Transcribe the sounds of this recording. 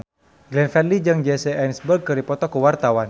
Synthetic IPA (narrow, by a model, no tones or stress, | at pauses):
ɡlɛnfɛnlid͡ʒɨŋd͡ʒɛsɛajnsbərɡ̚kɨɾdipɔt̪ɔkuwart̪awan